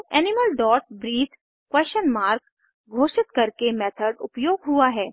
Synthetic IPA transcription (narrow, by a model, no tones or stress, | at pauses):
ɛːnɪməlɖɔːʈ̚bɾiːt̪ʰ | kwɛːʃənmaːɾk | ɡʱoːʃɪt̪kɐɾkemɛːt̪ʰəɖʊpjoːɡɦuaɦɛː